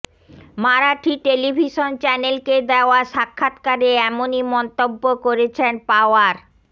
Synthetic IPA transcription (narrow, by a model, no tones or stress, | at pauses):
maɾaʈʰiʈelibʱiʃont͡ɕɛnelked̪eoaʃakʰːat̪kaɾeɛmonimɔnt̪obːokoɾet͡ɕʰenpaoaɾ